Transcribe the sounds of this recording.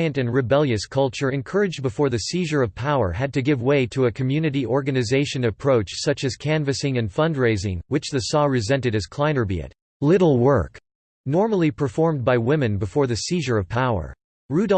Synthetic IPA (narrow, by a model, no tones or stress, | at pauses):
ɨ̃ntɨ̃nɹɨbɛlˠjɨskʰʌlˠt͡ʃə˞ɨ̃nkʰɜ˞ɨd͡ʒbəfɔɹðɨsiʒə˞ʌv̥pʰaʊə̰˞ɨd̚tɨɡɪvweɪɾɨɨkʰmjʉnɨɾiɔɹɡɨnɨzeɪʃɨ̃nɨpʰɹ̥oʊt͡ʃsʌt͡ʃɨz̥kʰæ̃nvɨsɪ̃ŋɨ̃nfʌ̃ndɹeɪzɪ̰̃ŋwɨt͡ʃðɨsɔɹɨzɛ̃ntɨɾɨz̥kʰl̥ãɪ̃nə˞bḭɨ̰t̚ | lɪɾl̩ˠwɜ˞k | nɔɹml̩ˠipʰə˞fɔɹmbaɪwɪ̃mɨ̃nbɨfɔɹðɨsiʒə˞ʌv̥pʰaʊə̰˞ | ɹʉɾ